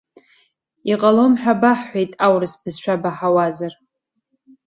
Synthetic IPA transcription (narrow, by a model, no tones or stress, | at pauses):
iqʼalo̞mħᶣabaħːʷejtʼawrɨsbɨzʃʷᶣabaħawazar